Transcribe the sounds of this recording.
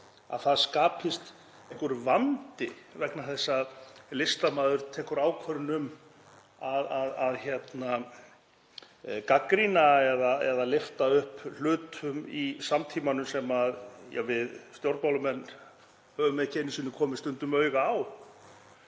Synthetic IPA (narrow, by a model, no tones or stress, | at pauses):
a̰ðθaðskaːpʰɪst̪ | eŋ̥kʏɾvant̪ɪvɛknaθɛsːaðlɪst̪amaːðʏɾ̥t̪ʰɛːkʏɾaːwkʰvœɾnʏm | aðaðaðçjɛt̪na | kakɾinaɛðaɛðalɪft̪aʏhpl̥ʏːt̪ʰʏmisamt̪ʰiːmanʏsɛmaðjɛ̰ɣvɪðst̪jowɾt̪̚mawlʏmɛnː | hœːvʏmɛðcʰɛnɪsɪnːʏkʰɔːmɪst̪ʏnt̪ʏmœːɥɣaːw